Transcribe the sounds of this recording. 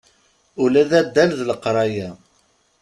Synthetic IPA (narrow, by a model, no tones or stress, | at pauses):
ʊlæðæd̪ːælðləqɾˤɑjæ